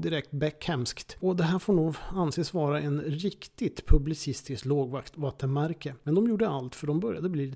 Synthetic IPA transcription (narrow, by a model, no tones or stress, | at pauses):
d̪ɪɾɛkt̪̚bɛkhɛmskt̪ɔd̪ɛɦæːɾfoːɳuːɡanseːsvɑːɾaʔɛnɾɪkt̪ɪt̪pʰɵblɪsɪst̪ɪskloːɡvakt̪vat̪ːənmæɾkəmɛnd̪ɔmjuːɖəalt̪fœɖɔmbœɾjad̪əbliː